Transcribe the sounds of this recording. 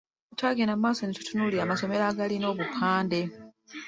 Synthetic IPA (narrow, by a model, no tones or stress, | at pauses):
utʰaɡenammaːsonitu̥tʰunuliamaso̞me̞laːɡalino̞ːβupʰaːnde̞